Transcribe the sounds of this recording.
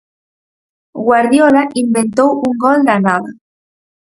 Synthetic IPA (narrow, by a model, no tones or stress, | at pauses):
ɡwaɾðjolaʔimbent̪owuŋɡɔld̪anaða